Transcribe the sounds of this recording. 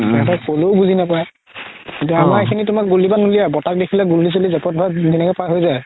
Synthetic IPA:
tɛɛtɔkoloʊbuzʱinapaj | kĩntuamaɹekʰinitʊmak̚ɡulibanulijabɔtak̚dekʰilɛɡulːis̬elizɛpɔt̚bʱadinɛkɛpajɦojzaj

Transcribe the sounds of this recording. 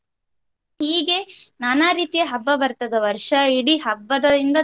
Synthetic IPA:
hiːɡe̞nɐnaɾiːt̪ijɐɦɐbːɐbɐɾt̪ɐd̪ɐʋɐɾʂɐiɽiɦɐbːɐd̪ɐind̪ɐ

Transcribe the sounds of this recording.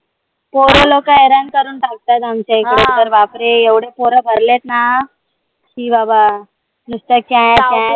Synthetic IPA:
poːɾolokaeːɾaːnkəɾuːnʈak̚t̪at̪ɐmt͡ʃeːkɽet̪əɾʋaːpɾeeʋɽepoːɾəbʱɐɾlet̪na | kibaba | nust̪əkːjãɦejãe

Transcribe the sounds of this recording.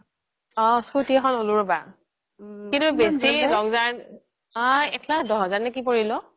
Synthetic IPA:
ɔskutikɔnoluɹba | kintubesiɹɔŋzaɹ | ajɛkʰladɔɦɔzaɹnɛkipoɹilɔ

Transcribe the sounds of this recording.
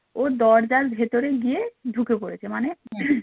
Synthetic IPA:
od̪ɔɾd͡ʑaɾbʱet̪oɾeɡijed̪ʱukepoɽet͡ɕʰemane

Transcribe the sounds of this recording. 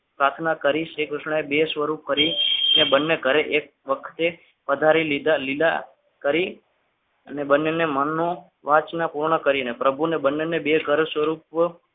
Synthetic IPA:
pɾat̪ʰnakəɾiʃekɾuʃɳebesʋəɾup̚kəɾiənebənːekəɾeʔek̚ʋəkʰt̪e | pəd̪ʱaɾilid̪alid̪a̰ | kəɾi | ənebənːenemənːo | ʋat͡ʃnapuɾɳəkəɾiənepɾəbʱunebənːenebeɡʱəɾsʋəɾup

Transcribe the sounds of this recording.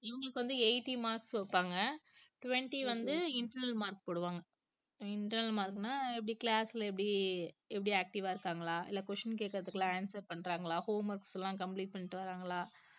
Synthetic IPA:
ɪʋɐŋɡɐɭɯkːɯʋɐnd̪ɯeɪʈːimaːɾksʋɐpːaːŋɡɐʈʊʋɛɳʈiʋɐnd̪ɯɪɳʈɐɾnɐlmaːɾkpoːɽɯʋaːŋɡɐ | ɪɳʈɐɾnɐlmaːɾkːnːaːɛp̬ːɐɽiklaːsɪlɐɛp̬ːɐɽiɛpːɐɽiaːk̚ʈɪʋaːɪɾɯkːaːŋɡɐɭaːʔɪ̰lːaːkʋɔʂɐnk̬eːkːɪɾɐðɯkːɯlãːaːnsɐɾpɐɳːɾaːŋɡɐɭaːhoːmɐɾkslãːkɐmpliːʈ̚pɐɳːɪʈːɯʋɐɾaːŋɡɐɭaː

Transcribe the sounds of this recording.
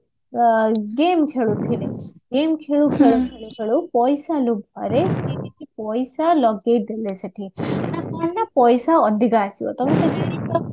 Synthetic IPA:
ɡemkʰeɭut̪ʰineɡemkʰeɭukʰeɭukʰeɭuk̪ʰeɭupɔjsalubʱɔ̰ɾeseʈik̪ipɔjsalɔɡejd̪elesʰeʈʰinakaɳnapɔjsaɔd̪ʱiɡaːsiɔ̰t̪ɔmat̪ed͡ʒeɽ̃it̪ɔ

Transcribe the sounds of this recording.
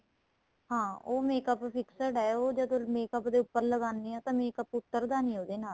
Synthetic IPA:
hãːoːmeːkəppʰɪksəɖɛːoːd͡ʒəd̪õːmeːkəpd̪eːʊpːəɾləɡaːniːãːt̪ãːmeːkəpʊt̪ːəɾd̪aːniːoːd̪eːnaːl

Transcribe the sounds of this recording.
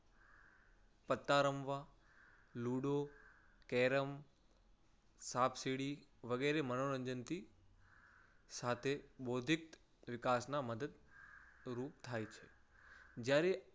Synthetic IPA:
pət̪ːaːɾəmʋa | luːɽo | kɛːɾəm | saːpʰsiɽiʋəɡɛːɾemənoɾə̃ɲd͡ʒənt̪i | saːt̪ʰeboːd̪ʱɪk̚t̪ | ʋɪkaːsnaməd̪əd̪ | ɾuːpt̪ʰaːjt͡ʃʰe | d͡ʒjaːɾe

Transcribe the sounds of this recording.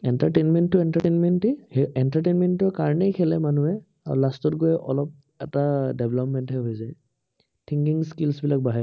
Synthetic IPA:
ɛntaɹtenmɛntːʊɛntatenmɛntihɛntatenmɛntːʊɛkaɹnɛjkʰɛlɛmanuɛ | a̰ɹṵlastɔtɡojʔɔ̰lɔp̚ | ɛtadɛbʱɛlɔpmɛntɦɛɦojzaj | tʰiŋkiŋskilsbilak̚baɦɛ

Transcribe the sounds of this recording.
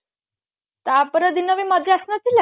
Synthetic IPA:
t̪apəɾəd̪inəʋimad̪ʱɾiasnat͡sil

